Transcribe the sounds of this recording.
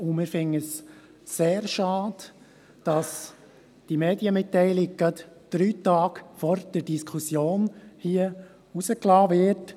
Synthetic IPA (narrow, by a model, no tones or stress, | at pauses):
ʊmɪfɪnəsː | eːɾʃɑːd̪ | d̥ɑs | d̥imeːdiəmɪt̪ːɛɪlɪk̚ɡ̥ɑt | d̥ɾyːtɑːɡfɔɾd̥əɾd̥iskʰusjoːnhiə | usəklɑːvɪɾt